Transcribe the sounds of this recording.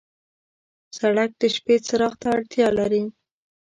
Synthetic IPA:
saɽak̚d̪əʃpet͡saɾɑxt̪aːɽt̪jɑlaɾi

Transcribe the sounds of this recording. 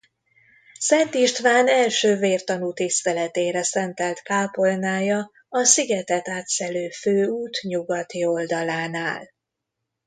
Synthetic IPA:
sɛnt̪iʃt̪ʋaːnɛlʃøːveːrt̪ɒnut̪ist̪ɛlɛt̪eːɾɛsɛnt̪ɛlt̪kaːpo̞lnaːjɒ | ɒsiɡɛt̪ɛt̪aːt̪sɛløːføːuːt̪ɲuɡɒt̪io̞ld̪ɒlaːnaːl

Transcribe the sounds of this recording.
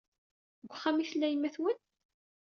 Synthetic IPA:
ɡʷχːæmiθəlːæjəmːæθwən

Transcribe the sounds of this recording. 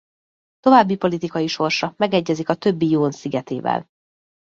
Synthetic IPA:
t̪o̞vaːbːipo̞lit̪ikɒjiʃo̞rʃɒmɛɡɛɟːɛzikɒt̪ø̞bːijoːnsiɡɛt̪eːvɛ̰l

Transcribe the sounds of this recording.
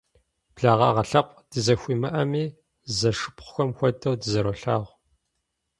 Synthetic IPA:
b̥ɮaːʁɑ̰ʁɐɬɐpʷʼd̥ɨzɐxʷiːmɨʔɐmiː | zɐʂɨpχʷxʷɔmxʷɔdɐwdɨzɐɾɔɬaːʁʷ

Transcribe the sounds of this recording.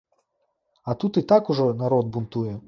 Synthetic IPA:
ɐt̪ut̪it̪akʊʐɔnɐɾɔd̪̚bʊnt̪ujɛ

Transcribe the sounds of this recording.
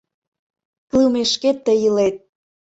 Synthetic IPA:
kliwmeʃket̪ːəjəlet̪̚

